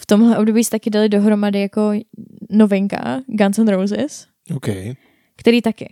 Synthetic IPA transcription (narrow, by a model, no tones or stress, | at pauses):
ft̪o̞mɦlɛʔo̞b̚do̞biːsɛt̪akɪdalɪdo̞ɦɾo̞madɪjako̞no̞vɪŋka̰ɡansɛnɾowzɪs | okɛ̰j | kt̪ɛɾiːt̪akɪ̰